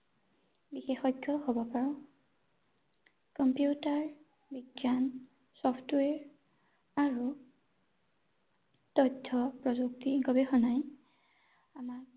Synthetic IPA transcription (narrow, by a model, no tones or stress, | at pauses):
bixexɔjɡʰʱːɔhobɔpaɹɔ̃ | kɔmpjutaɹ | biɡjan | sɔpʰtwɛɹ | aɹu | tɔdʱʰːɔpɹɔzuktiɡɔbexɔnaj | amaɹ